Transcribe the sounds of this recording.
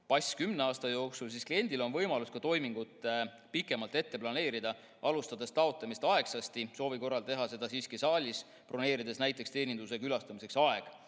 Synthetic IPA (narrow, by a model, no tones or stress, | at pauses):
pɑjsʲkymneɑːst̪ɑjo̞ːksulsisklie̞nd̪̥ilo̞nvɤjmɑluskɑt̪o̞jmiŋɡ̥ut̪ˑ | pikːˑe̞mɑlt̪e̞t̪ːe̞plɑne̞ːɾid̪̥ɑ | ʔɑlust̪ɑd̪̥e̞st̪ɑo̞t̪ˑlɑmist̪ɑe̞ksɑst̪iso̞ːviko̞rːɑlt̪e̞ɦɑse̞d̪̥ɑsiːskisɑːlʲis | pro̞ne̞ːɾid̪̥e̞snæjt̪ːˑe̞kst̪e̞ːnʲind̪us̬e̞kylɑst̪ɑmise̞ksɑe̞ɡ̥